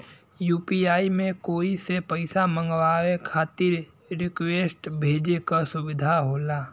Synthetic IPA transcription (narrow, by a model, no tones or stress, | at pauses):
juːpiaːimẽkoːisepəɪsamə̃ŋɡwaːwekʰaːt̪ɪɾ | ɾɪkweːsʈbʱeːd͡ʒekasʊbɪd̪ʱaɦoːlaː